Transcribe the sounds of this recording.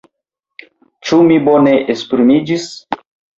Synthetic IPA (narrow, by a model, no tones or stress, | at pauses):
t͡ʃumibone̞ʔespɾimid͡ʒis